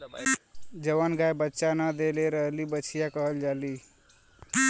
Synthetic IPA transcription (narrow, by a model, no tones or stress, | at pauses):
d͡ʒəʋanɡajbətːʃanad̪eleɾəɦlibəːt͡ʃʰijakəɦəld͡ʒali